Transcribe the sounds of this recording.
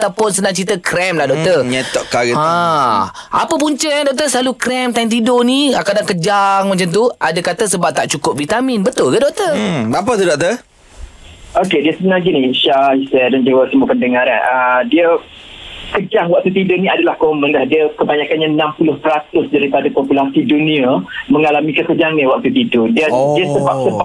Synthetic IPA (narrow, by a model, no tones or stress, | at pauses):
at̪apʊnsənãŋt͡ʃit̪əkɾɛmlahdɔʔ̚t̪ərɲɛt̪ɔʔkaɡəa | a̰pəpuɲt͡ʃəjaŋdɔk̚t̪əsəlalukɾɛmt̪ajnt̪̬idoniakadaŋkəd͡ʒaŋmat͡ʃamt̪uadakat̪əsəbap̚t̪aʔt͡ʃukʊp̚vit̪amĩnbət̪ʊlkədɔʔ̚t̪əbap̬ət̪̬udɔk̚t̪ə | ʔokediəsəbənaɡiniʃahisɛdand͡ʒuɡasəmupəndəŋaɾa̰nʔədiə | kəd͡ʒaŋwak̚t̪ut̪idonĩadalahkomənlahdiəkəbaɲakanɲanampulʊhpəɾat̪ʊsdaɾipadapopulasidunĩaməŋalamikəkəd͡ʒaŋniwak̚t̪ut̪idodiədiəsəbap̚səb